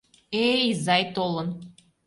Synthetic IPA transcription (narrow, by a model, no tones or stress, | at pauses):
eizɑjt̪olən